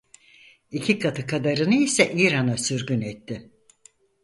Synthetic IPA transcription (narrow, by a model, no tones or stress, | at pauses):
icʰikʰat̪ʰɯkʰad̪aɾɯnɯisɛʔiːɾanasyɾɟynɛt̪ʰːɪ